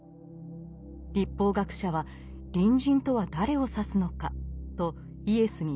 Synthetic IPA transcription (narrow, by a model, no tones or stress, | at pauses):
ɾʲipːo̞ːɡakɯ̟̥ɕaβa | ɾʲĩɲ̟d͡ʑĩnt̪o̞βad̪aɾe̞o̞sasɨno̞kat̪o̞ | ie̞sɨɲ̟i